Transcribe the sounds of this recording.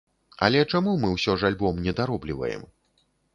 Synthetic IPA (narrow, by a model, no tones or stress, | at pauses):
ɐ̰lʲɛt͡ʂamumɨwsʲɔʐalʲbɔmnʲɛd̪aɾɔblʲivɐ̰jɛ̰m